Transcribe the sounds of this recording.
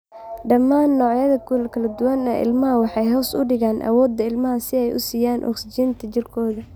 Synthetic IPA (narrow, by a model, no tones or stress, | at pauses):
ɖɐmːaːnːɔːʕjɐðɐkʰʊlkʰɐlɐd̪ʊwɐnɛ̰ːʔɪ̰lmɐɦɐwɑħɑjɦɔːsʊɖɪɣaːnʔɐ̰wɔːd̪ːɐɪlmɐɦɐsɪɛjʔʊ̰siːjaːnʔɔ̰ksɪt͡ʃiːnt̪ʰɐt͡ʃɪrkʰɔːðɐ